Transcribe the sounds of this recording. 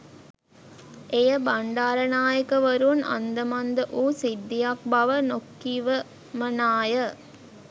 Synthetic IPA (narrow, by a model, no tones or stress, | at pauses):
ʔejəbɐɳɖaːɾɐnaːjəkɐʋɐɾunɐ̰nd̪əmɐnd̪əʔuːsid̪ːijak̚bɐʋənokːiʋə | mɐnaːjə